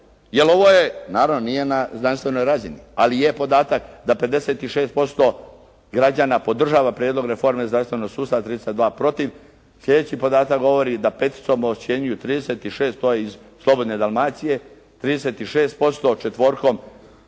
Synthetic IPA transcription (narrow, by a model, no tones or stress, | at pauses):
jelo̞ʋo̞je̞naːɾaʋnonije̞naznanst̪ʋe̞no̞jɾaːzinḭalijepo̞d̪aːt̪akd̪ape̞d̪e̞se̞ːt̪iʃeːst̪̚po̞st̪o̞ | ɡɾad͡ʑaːnapo̞d̪r̩ʒaːʋapɾjed̪lo̞ɡɾe̞fo̞ɾmezɾamst̪ʋe̞no̞ɡ̥suːst̪at̪ɾid̪e̞set̪d̪ʋaːpɾo̞t̪iʋ | slʎʲe̞d̪et͡ɕipo̞d̪aːt̪akɡo̞ʋo̞ɾid̪apet̪i̥t̪somot͡ʃje̞ɲujut̪ɾiːd̪eset̪iʃe̞ːst̪t̪ojeizslˠo̞bo̞d̪ne̞d̪alˠmaːt̪sije̞ | t̪ɾiːd̪eset̪iʃeːst̪̚po̞st̪o̞t͡ʃet̪ʋo̞ːɾko̞m